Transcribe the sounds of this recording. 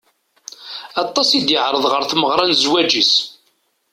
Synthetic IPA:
ɑt̪ˤːɑsid̪jəʕɾˤəðˤʁəɾθməʁɾˤɑnzwæd͡ʒis

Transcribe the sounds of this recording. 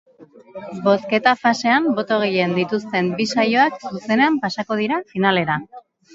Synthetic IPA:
bo̞ske̞t̪afase̞ambo̞t̪o̞ɣ̞eje̞nd̪it̪ust̪e̞mbisajo̞aksuse̞ne̞ampasako̞ð̞iɾafinale̞ɾa

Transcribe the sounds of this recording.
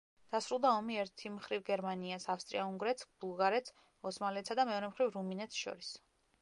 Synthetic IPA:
d̪̥asɾulˠd̪aɔmiɛɾt̪ʰimχɾivɡɛɾmaniasafst̪ʼɾḭauŋɡɾɛt̪sb̥ulˠɡaɾɛt̪s | ɔsmaliɛt̪sad̪amɛɔɾɛmχɾivɾuminɛt̪sʃɔ̰ɾis

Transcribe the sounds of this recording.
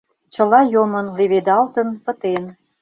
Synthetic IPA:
t͡ɕə̆lɑjomə̆nleβed̪ɑlt̪ə̆npə̆t̪en

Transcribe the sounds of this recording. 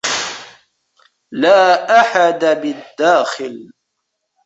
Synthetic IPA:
laːʔaħad̪abɪd̪ːaːxɪl

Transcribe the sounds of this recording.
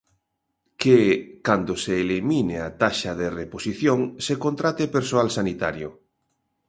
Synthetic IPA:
kekand̪oseːlimineat̪aʃaðereposiθjoŋsekont̪ɾat̪epeɾsoalsanit̪aɾjo

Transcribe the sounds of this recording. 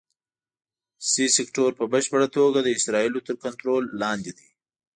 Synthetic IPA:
sisɪkʈoɾpəbəʃpəɽat̪oɡad̪əɪsɾɑilot̪əɾkant̪ɾolːɑnd̪id̪i

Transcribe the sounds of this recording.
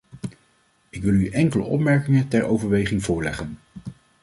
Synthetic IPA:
ɪkʋɪlˠyʔɛŋkələ̰ʔɔ̰pmɛɹkɪŋətɛɹʔo̰wvəɹʋejχɪŋvʊːɹlɛχən

